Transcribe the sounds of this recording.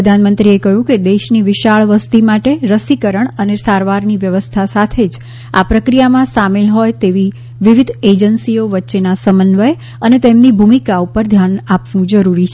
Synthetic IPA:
əd̪ʱanmənt̪ɾiekəɦjũked̪eʃniʋɪʃaɭʋəst̪imaʈeɾəsikəɾəɳənesaɾʋaɾniʋjəʋəst̪ʰasat̪ʰed͡ʒ | a̰pɾəkɾijamãsamelɦɔjt̪eʋi | ʋiʋid̪ʱed͡ʒənsioʋətːʃenasəmənʋəj | ənet̪emnibʱumikaupəɾd̪ʱjanapʋũd͡ʒəɾuɾit͡ʃʰ

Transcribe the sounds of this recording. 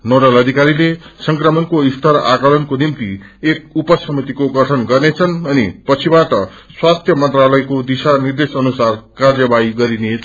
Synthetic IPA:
noɽʌlʌd̪ʱikaɾilesʌŋkrʌmʌnkoist̪ʰʌɾa̰kʌlʌnkonimt̪i | ek̚upʌsʌmit̪ikoɡʌʈʰʌnɡʌrnet͡sʰʌnʌnipʌt͡sʰibaʈʌ | swat̪ʰjʌmʌnt̪ralʌjkod̪isanird̪esʌnusarkard͡zʌbaiɡʌɾine

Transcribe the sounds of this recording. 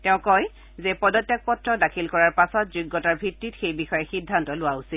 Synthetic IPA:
tɛʊ̃kɔj | zɛpɔdɔtjak̚pɔtɹɔdakʰilkɔɹaɹpasɔtzuɡːɔtaɹbʱitːitxejbixɔjɛxidʱːantɔlʊwausil

